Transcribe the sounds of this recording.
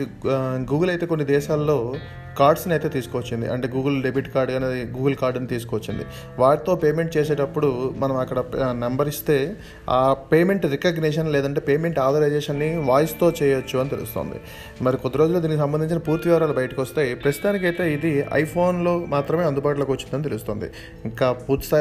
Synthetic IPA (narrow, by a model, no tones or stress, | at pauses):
ɡuːɡɐlɐjt̪eːkonːid̪ɛːʃaːlːo̞ː | kaːɾɖsnɐjt̪e̞ːt̪̬iːsukɔʋɐt͡ʃːind̪ḭʔɐɳʈeːɡuːɡɐlɖebiʈkaːɾɖɡaːneːd̪iɡuːɡɐlkaːɾɖɐnit̪iːs̬u̥kʋɐt͡ʃːind̪ḭ | ʋaːɾit̪o̞ːpeːme̞ɳʈ̚t͡ʃeːseːʈɐpːuɽumɐnɐmɐkːɐɽɐnɐmbɐɾist̪e̞ː | aːpeːme̞ɳʈɾekɐɡneːʃɐnlɛːd̪ɐɳʈ̬e̞ːpeːme̞ɳʈaːɾd̪ɐɾɐjd͡ʒeːʂɐnːiʋaːjst̪o̞ːt͡ʃɛːjɐt͡ʃːuɐnit̪e̞lṵst̪o̰ːnd̪ḭ | mɐɾikɔt̪ːiɾo̞ːd͡ʒulːod̪inikis̬ɐmbɐnd̪iɲt͡ʃinɐpuːɾt̪iʋɐːɾaːlubɐjɐʈɐkʋɔst̪aːjipɾɐst̪aːnik̬ɐjt̪e̞ːid̪iɐ̰jpʰo̞ːnlo̞ːmaːt̪ɾɐmeɐnd̪ubaːʈuloːkʋɐt͡ʃːind̪ɐnit̪e̞lust̪o̞ːnd̪ḭ | iŋkaːpuːɾt̪i̥st̪a